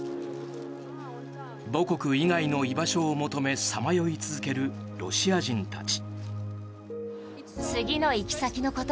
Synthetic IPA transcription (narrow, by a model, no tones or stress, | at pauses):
bo̞ko̞kɯ̟iɡaino̞ibaɕo̞ːmo̞t̪o̞me̞samajo̞it͡sɨzɨke̞ɾɯ̟ | ɾo̞ɕiaʑĩnt̪a̰t͡ɕi̥ | t͡sɨɡʲino̞ikʲi̥sakʲino̞ko̞t̪